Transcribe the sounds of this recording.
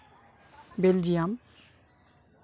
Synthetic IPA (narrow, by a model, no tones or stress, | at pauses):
beld͡ʒijam